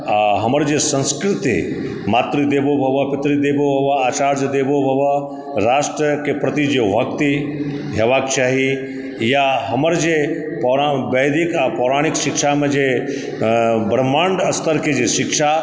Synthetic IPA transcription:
ɦɐməɾd͡ʒesɐ̃nskɾɪt̪ḭ | maːt̪ɾid̪eːbobʱɐʋəpɪt̪ɾid̪eːbobʱɐʋəaːt͡ʃaːɾd͡ʒd̪eːbobʱɐʋə | ɾaːʃʈɾəkepɾɐt̪id͡ʒebʱɐkt̪i | ɦɐʋaːk̚t͡ʃaːɦi | jaɦɐməɾd͡ʒe | pɔːɾabɐjd̪ɪkapɔːɾaːɽ̃ɪkʃɪkʃamẽd͡ʒe | bɾəmaːɳɖɐst̪ʰəɾked͡ʒiʃɪkʃa

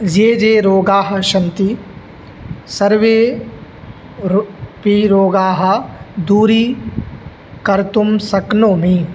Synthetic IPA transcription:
zeːd͡ʒeːɾoːɡaːɦɐ̆ʃɐnt̪i | sɐɾʋeː | piɾoːɡaːɦɐ̆d̪uːɾiː | kɐɾt̪umsɐknoːmĩ

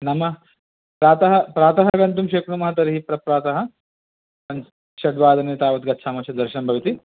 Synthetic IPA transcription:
nɐmɐ | pɾaːt̪ɐɦɐpɾaːt̪ɐɦɐɡɐnt̪umʃeːkɳumɐɦɐt̪ɐɾiɦipɾɐpɾaːt̪ɐɦɐ̆ | ɐn | ʃɐɖʋaːd̪ɐneːt̪aːʋɐt̪̚ɡɐtːʃʰaːmɐʃɐd̪ɐɾʃɐnɐmbʱɐʋit̪i

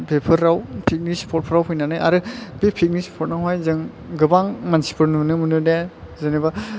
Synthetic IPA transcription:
bʰepʰɯɾːawpʰik̚nispʰɔɾ̚pʰɯɾawɦujnanɯjʔa̰ɾɯbepʰik̚nispʰɔɾ̚naɦwajzɯŋ | ɡɯbaŋmansi̥pʰɯɾnnɯmɯnɯne | zɯniba

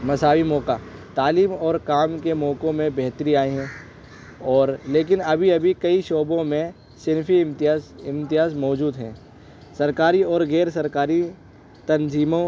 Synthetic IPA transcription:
mɐsaːwimɔːkaːt̪aːliːmɔːɾkaːmkemɔːkõmẽbɛɦt̪əɾiaːiɦɛ̃ː | ɔːɾleːk̬ɪnɐbʱiɐbʱikɐiʃɔːbõmẽ | sɪnfiɪ̃mt̪ɪɦaːzmɔːd͡ʒuːd̪ɦɛ̃ː | sɐɾkaːɾiɔːɾɣɛːɾsɐɾkaːɾi | t̪ɐnziːmõ

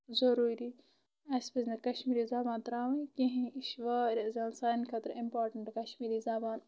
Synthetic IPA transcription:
zɐɾuːɾi | ɐspɐznɐkɐʃmiːɾizaːbaːnt̪ɾaːʋɐ̃kĩɦĩiʃʋaːɾezaːnsaːnkʰɐt̪ɾimpaːɾʈɐɳʈkɐʃmiːɾizaːbaːn

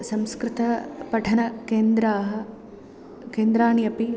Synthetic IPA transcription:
sɐmskɾɪt̪ɐpɐʈʰɐnɐkeːnd̪ɾaːɦɐ | keːnd̪ɾaːɳijɐpi

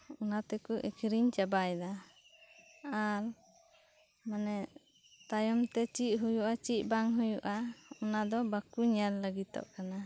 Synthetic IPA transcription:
unat̪ɛkuʔikʰɾiɲt͡ʃabajd̪a | aɾ | manɛ | t̪ajɔmt̪ɛt͡ʃiʔ̪̚ɦujuʔat͡ʃic̪̚ˀbaŋɦujuʔaɔnad̪ɔbakuɲalləɡit̪ɔ̰ʔkana

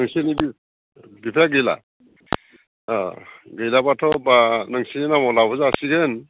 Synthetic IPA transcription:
nɯŋsenibi | bipʰjaɡɯjla̰ | ɡɯjlabatʰɔbanɯŋsiinamɔlabɔzaːsiɡen

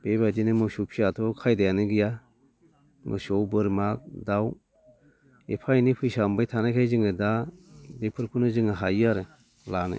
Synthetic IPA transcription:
b̥ebadinɯmɯsupʰiatʰɔkʰajdajanɯɡija | mɯ̰sɔwbɯɾmak̚daw | epʰajnipʰɯjsambajtʰanajkʰajzɯŋɯdabepʰɯɾkʰunɯzɯŋaɦajɯaɾɯ | lanɯ̰

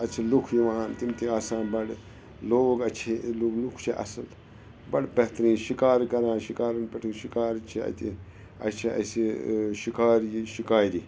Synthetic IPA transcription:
ɐt͡ʃʰilukʰjiʋaːnt̪imt̪iaːsaːnbɐɽ | loːɡɐt͡ʃʰeluɡlukʰt͡ʃʰiʔɐ̰sɐl | bɐɽbɐht̪ɾĩːʃikaːɾkɐɾãːʃikaːɾɐnpɐʈʰiŋʃikaːɾt͡ʃʰiɐ̰t̪ḭ | ɐ̰t͡ʃʰiɐ̰siʃikaːɾjiʃikaːjd̪iː

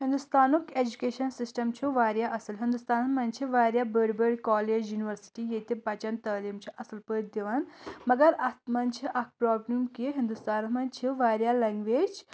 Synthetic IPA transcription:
ɦĩnd̪ust̪aːnukeːd͡ʒukeːʃɐnsisʈɐmt͡ʃʰiʋaːɾjaʔɐsɐlɦind̪ust̪aːnmɐnt͡ʃʰiʋaːɾjabəɽbəɖkɔːleːd͡ʒjuːniʋɐɾsi̥ʈijet̪epɐt͡ʃɐnt̪ɐːliːmt͡ʃʰiʔɐsɐlpəːʈd̪iʋanmɐɡɐɾɐt̪mɐnt͡ʃʰiʔɐk̚ʰpɾɔːbɾumkiɦind̪ust̪aːnmɐnt͡ʃʰiʋaːɾjalɐŋɡʋeːd͡ʒ

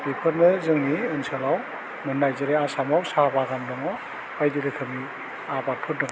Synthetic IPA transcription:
b̥ipʰɯɾnɯzɯŋniɯnsalaw | mɯnːajzɯɾeasamawsabaɡandɔŋɔ | ajdiɾɯkʰɯmi | abatʰut̚dɔŋ

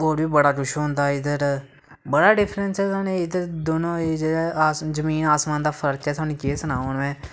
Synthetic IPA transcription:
oːɾbiːbəɽaːɡʊʃɦʊ̃nd̪aːɪd̪əɾ | bəɽaːɖɪpʰɾənsɛːt̪aːnẽːɪd̪əɾd̪onõːeːd͡ʒeaːaːszəmiːnaːsmãːnd̪aːpʰəɾəɾt͡ʃɛːt̪ʰaːnẽːkeːsənaːoːnʋɛ̃ː

